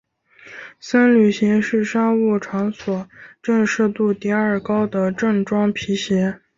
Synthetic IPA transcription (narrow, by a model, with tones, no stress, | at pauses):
sa˥nly˨˩ɕi˧˥ŋʂɻ̩˥˩ʂa˥u˥˩ʈ͡ʂʰɑ˧˥ŋswɔ˨˩˦ʈ͡ʂɤ˥˧ŋʂ̩˥˧t̪u˥˧t̪i˥ə˞˥˨˩kɑ˥ʊd̪ə˨ʈ͡ʂɤ˥˩ŋʈ͡ʂwɑ˥ŋpʰi˧˥ɕjɛ˧˥